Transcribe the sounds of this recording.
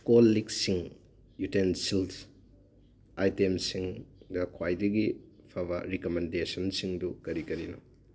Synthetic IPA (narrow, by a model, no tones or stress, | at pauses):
kolːiksiŋ | jutensils | ajtemsiŋdɐkʰwajdɐɡipʰɐbɐɾikomendesɐnsiŋdukɐɾikɐɾinɔ